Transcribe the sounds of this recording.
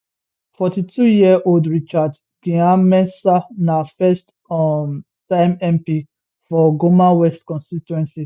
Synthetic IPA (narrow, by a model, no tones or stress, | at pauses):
fɔtitʰujiɛʔoldɹit͡ʃad | ɡĩãmɛ̃nsanafɛst | m | tãɪmɛ̃mpi | fɔɡomawɛstkɔ̃nstitwɛ̃nsi